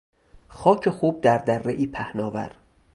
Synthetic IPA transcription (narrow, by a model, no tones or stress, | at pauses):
xɒːcʰexuːb̚d̪æɾd̪ærːeʔiːpʰæhnɒːvæ̰ɾ